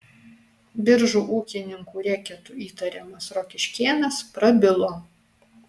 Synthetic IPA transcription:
bʲɪɾʒuːʔuːkʲɪnʲɪŋkuːɾʲɛkʲɛt̪uiːt̪ɐɾʲɛmɐsɾokʲɪʃʲkʲeːnɐspɾɐbʲɪlˠoː

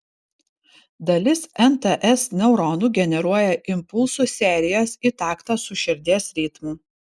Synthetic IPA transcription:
d̪ɐlʲɪsɛnt̪ɐʔɛsnʲɛʊɾɔːnuːɡʲɛnʲɛɾuɔjɛʔɪmpʊlˠsuːsʲæːˑɾʲɪjoːsit̪ɑːkt̪ɑsʊʃʲɪɾʲd̪ʲiɛsɾʲiːt̪muː

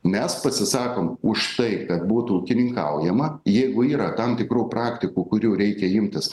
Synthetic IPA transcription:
mʲɛspɐsʲɪsɑːkoːmʊʃt̪ɐɪkɐt̪buːt̪ʊʊkʲɪnʲɪŋkɐʊjɛmɐjɛɪɡʊiːɾɐt̪ɐmt̪ʲɪkɾuːprɑːkt̪ʲɪkuːkʊɾʲuːɾʲɛɪkʲɛɪmʲt̪ʲɪs

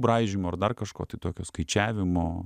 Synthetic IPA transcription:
bɾɑːʒʲɪmoːɐrd̪ɐrkɐʃko̰ːt̪ɐɪt̪oːkʲoːskɐɪt͡ʃʲæːʋʲɪmoː

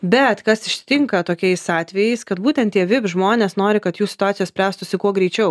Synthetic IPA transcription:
bʲɛt̪kɐsɪʃʲsʲɪ̥t̪ʲɪŋkɐt̪oːkʲɛɪsɑːt̪ʲʋʲɛjɛɪskɐt̪buːt̪ʲɛnt̪ʲiɛʋʲɪpʒmoːnʲeːsnoːɾʲɪkɐt̪juːsʲɪ̥t̪ʊɑːt̪sʲɪjːsʲpʲɾʲæːst̪ʊsʲɪkuɔɡɾʲɛɪt͡ʃʲɛʊ

